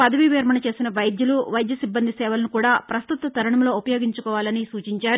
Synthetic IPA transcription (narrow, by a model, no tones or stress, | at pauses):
pɐd̪ɐʋiʋiːɾmɐɳɐt͡ʃe̞ːsinɐʋɐjd̪juluʋɐjd̪jɐsibːɐnd̪ʱisɛːʋɐlɐnukuːɽaːpɾɐst̪ut̪ɐt̪ɐɾɐɳɐmlo̞ːupɐjo̞ːɡiɲt͡ʃukɔːʋaːlɐnisuːt͡ʃiɲt͡ʃaːɾu